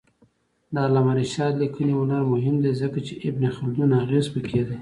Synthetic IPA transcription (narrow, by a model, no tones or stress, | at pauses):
d̪ɑlamaɾiʃɑd̪likəneʊnaɾmʊɦɪmd̪ezəkat͡ʃeʔɪbnexʊld̪unaɣezpəkʰed̪e